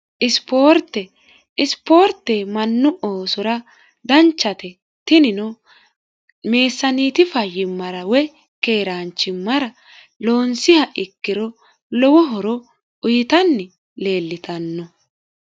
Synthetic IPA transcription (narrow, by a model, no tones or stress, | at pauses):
ʔɪspo̞ːɾt̪ːɛ | ɪspo̞ːɾt̪ːɛmɐnːʊʔoːsɔɾɐ | d̪ɐnt͡ʃːɐt̪ɛ | t̪ɪnɪnɔ | me̞ːsːɐniːt̪ɪfɐjɪmːɐɾɐwɛ | ke̞ːɾaːnt͡ʃːɪmːɐɾɐ | lo̞ːnsɪhɐʔɪkːɪɾɔ | lɔwɔɦɔɾɔ | ʊjɪt̪ɐnːɪ | le̞ːlːɪt̪ɐnːɔ